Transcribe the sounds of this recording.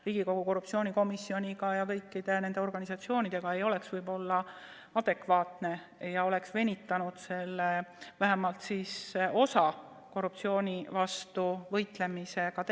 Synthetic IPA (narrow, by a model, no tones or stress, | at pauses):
riːɡ̥iko̞ɡ̥uko̞rːup̚tsio̞ːnʲiko̞misːio̞nʲiɡ̥ɑjɑkɤjkːˑid̪̥e̞ne̞nd̪e̞o̞rɡ̥ɑnisɑt̪sio̞ːnid̪̥e̞ɡ̥ɑe̞jo̞le̞ksvɤjbo̞lːɑ | ɑd̪̥e̞kvɑːt̪ne̞ | jɑo̞le̞ksve̞nʲit̪ːˑɑnud̪se̞lːevæɦemɑlt̪siso̞sɑ | ko̞rːupt̪sio̞ːnʲivɑst̪uvɤjt̪le̞mise̞ɡ̥ɑt̪